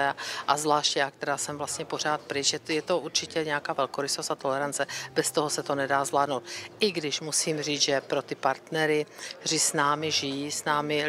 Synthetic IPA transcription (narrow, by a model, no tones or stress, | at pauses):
ɛʔazvlaːʃcɛjakt̪ɛɾaːsɛmvlast̪ɲɛpo̞r̝aːt̪̚pɾɪt͡ʃjɛjɛt̪oʔuɾt͡ʃɪcɛɲɛakaːvɛlkoɾɪsost̪at̪o̞lɛɾant͡sɛb̥ɛst̪oɦosɛt̪o̞nɛdaːzvlaːdnowt̪̚ʔɪɡdɪʃmusiːmriːʒɛpɾot̪ɪpaɾt̪nɛɾɪrɪsnaːmɪʒɪjisnaːmɪ